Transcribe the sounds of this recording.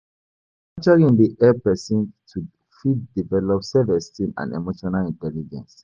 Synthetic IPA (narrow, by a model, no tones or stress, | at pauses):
at͡ʃaɹĩndiʔɛpɛsĩntʰu | fitdivɛlɔpsɛvɛstĩnã̰nɛ̰moʃɔnalĩntɛlid͡ʒɛ̰̃ns